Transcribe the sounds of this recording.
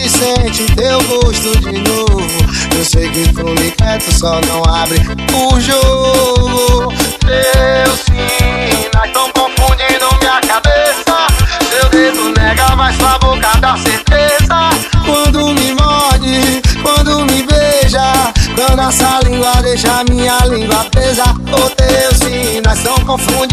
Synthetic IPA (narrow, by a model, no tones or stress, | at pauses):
isẽt͡ʃɪd̪ewɡoʃt̪ʊd͡ʒinovʊ | ewsejkɪkõmekɾɛt̪ʊsɔnɐ̃w̃abɾɪ | uʒoɡud̪ewsĩmaʃt̪ɐ̃w̃kõfũd͡ʒid̪ʊmĩɲɐkabesɐd̪ewd̪ezʊnɛɡawmajspavokad̪aseht̪ezɐkwɐ̃d̪ʊmɪmɔd͡ʒɪkwɐ̃d̪ʊmɪbeʒɐd̪ɐ̃d̪ɔsalĩɡwɐd̪ejʃamĩɲɐlĩɡwɐpezaot̪ewsĩnajt̪ɐ̃w̃kõfũd͡ʒ